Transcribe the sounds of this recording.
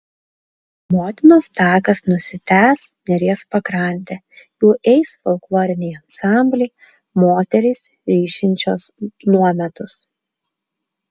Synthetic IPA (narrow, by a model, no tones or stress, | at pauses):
moːt̪ʲɪnoːst̪ɑːkɐsnʊsʲɪt̪ʲæːsnʲɛɾʲiɛspɐkɾɐˑnʲt̪ʲe | juːʔɛɪsfɔlˠklˠoːɾʲɪnʲɛɪɐnsɑˑmʲbʲlʲɛɪ | moːt̪ʲɛɾʲɪs | ɾʲiːʃʲɪnʲt͡ʃʲoːsnuɔmʲɛt̪ʊs